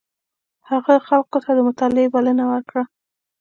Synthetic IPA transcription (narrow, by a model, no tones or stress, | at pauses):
haɣaxalkot̪ad̪əmʊt̪ɑlebalənawəɾkɽa